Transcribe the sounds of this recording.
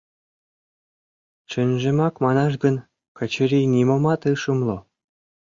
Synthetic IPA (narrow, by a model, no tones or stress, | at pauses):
t͡ɕɘ̆nʲʒĕmɑkmɑnɑʃ̬ɡɤ̆n | kɤ̆t͡ɕɘ̆ɾʲinʲimŏmɑt̪ɯʃɤ̆mlˠo